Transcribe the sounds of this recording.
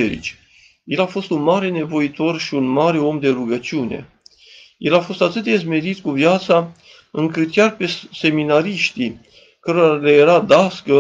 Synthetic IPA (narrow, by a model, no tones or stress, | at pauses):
eɾḭt͡ʃʲ | je̞lafo̞st̪unmaɾe̞ne̞vo̞it̪o̞rʃiunmaɾe̞o̞md̪e̞ɾuɡət͡ʃiune̞̰ | je̞lafo̞st̪at̪ɨt̪d̪ezme̞ɾit̪kuvjat̪sa | ɨŋkɨt̪kʲarpe̞se̞minaɾiʃt̪i | kəɾoalejeɾad̪askə